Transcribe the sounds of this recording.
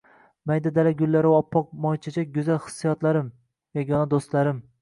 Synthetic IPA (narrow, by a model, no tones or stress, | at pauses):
majd̪ad̪alaɡʲʊlːaɾɪɒpʰːɒq̚mɒjt͡ʃʰad͡ʒaɡʊzalχɨ̥sːijɒt̪laɾɪm | jɒɡɒnad̪ost̪laɾɪm